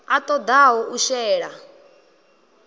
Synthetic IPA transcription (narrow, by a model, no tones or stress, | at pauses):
at̪ʼɔd̪aɦɔʔuʃɛːɺa